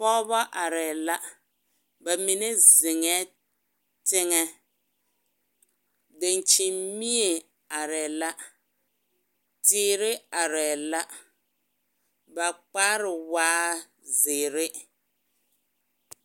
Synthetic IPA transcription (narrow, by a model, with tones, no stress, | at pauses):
pɔ˦bɔ˦ʔa˨ɾɛ˨la˦ | ba˨mi˨ne˦zɪ˨ŋɛ˦ | tɪ˦ŋɛ˦ | dɪ˨n˨t͡ʃɪ˨mmi˦e˨ | a˨ɾɛ˨la˦ | tɪː˦ɾɪ˦a˨ɾɛː˨la˦ | ba˨k͡paː˦ɾɪ˨waː˦ | zɪː˨ɾɪ˦